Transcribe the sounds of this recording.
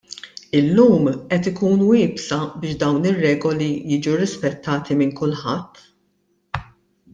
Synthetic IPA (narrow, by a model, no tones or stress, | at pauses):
ɪlːuːmʔɛt̪ɪkuːnwɪːpsɐbɪːʃd̪ɐwnɪrːɛːɡɔlijiːd͡ʒuɾɪspɛt̪ːɐːt̪imɪŋkʊlħɐt̪ː